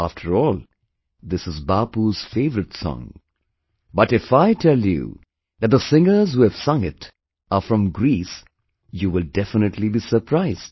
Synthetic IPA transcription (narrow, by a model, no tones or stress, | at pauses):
æftʰəɹɔːlˠ | ðɪsɨzbaːpuz̥feɪvəɾɨtsɔ̰̃ŋ | bʌtɨfaɪtʰɛljṵ | ðæt̚d̪əsɪ̃ŋə˞zhuɨv̥sʌ̃ŋɪt | əfɹʌ̃mɡɾis | juːwɪlˠdɛfənɨtʰlibiːsə˞pʰɾaɪz̥d̥